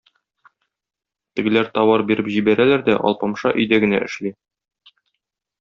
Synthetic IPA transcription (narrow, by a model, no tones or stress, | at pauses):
t̪ɘ̆ɡɘ̆læɾt̪ɒwɑɾbiɾɘpʑibæɾælæɾd̪æʔɒ̰lˠpɑmʃɑʔɵ̆jd̪æɡɘ̆næʔɘ̆ʃli